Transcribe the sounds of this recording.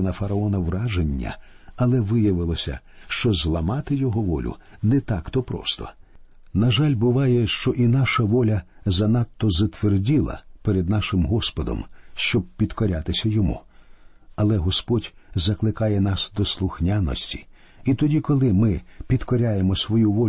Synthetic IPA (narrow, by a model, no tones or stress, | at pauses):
nɐfɐɾɐɔnɐʋrɑʒenʲːɐ̰ɐlˠɛʋɪjɐʋɪlˠɔsʲɐ̰ | ʃt͡ʃɔzlˠɐmɑt̪ɪjɔɦɔʋɔlʲʊ̰nɛt̪ɑkt̪ɔpɾɔ̰st̪ɔ̰ | nɐʒalʲbʊʋɑjɛʃt͡ʃɔʔinɑʃɐʋɔlʲɐzɐnɑt̪ːɔzɐt̪ʋerdʲilˠɐ̰peɾed̪nɑʃɪmɦɔspɔd̪ɔ̰mʃt͡ʃɔb̚pʲid̪kɔɾʲat̪ɪsʲɐjɔmṵ | ɐlˠɛɦɔspɔdʲzɐklˠɪkɑjɛnɑsd̪ɔslˠʊxnʲanɔ̰sʲtʲi̥ | it̪ɔdʲikɔlˠɪmɪpʲid̪kɔɾʲajemɔsʋɔjuʋɔ